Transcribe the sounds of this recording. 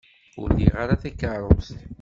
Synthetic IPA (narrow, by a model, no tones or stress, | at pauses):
ʊ̰ɾðḭʁaɾaθækːəɾˤost̪